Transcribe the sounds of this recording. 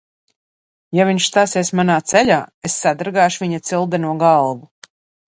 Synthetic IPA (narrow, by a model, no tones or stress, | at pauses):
javiɲʃst̪aːsɛsmanaːt̪sɛʎaːesːad̪aɾɡaːʃuvʲiɲat̪silˠd̪ɛnuɔɡalˠvu